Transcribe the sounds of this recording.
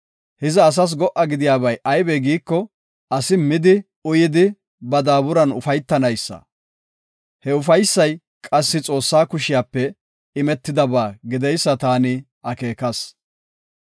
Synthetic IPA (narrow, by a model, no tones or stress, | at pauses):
hɪzɛːs̬ɐs̬ɡɔʔɐɡɪd̪ɪjaːβɐjʔɐjbɛɡiːkːɔ | ʔɐsɪmɪd̪ɪ | ʊjɪd̪ɪ | bɐd̪aːbʊɾɐnʊfɐjt̪ːɐnɐjsːɐ̰ | hɛʊfɐjsːɐj | kʼɐsːɪt͡sʼo̞ːsːaːkʊʃɪjaːpːɛ | ɪmɛt̪ːɪd̪ɐbaːɡɪd̪ɛjsːɐt̪aːnɪ | ʔɐke̞ːkɐs